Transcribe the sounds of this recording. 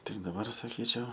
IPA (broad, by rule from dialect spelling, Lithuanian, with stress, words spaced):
ˈtʲɪk dɐˈbɐr sɐˈkʲiːt͡ʃʲɛʊ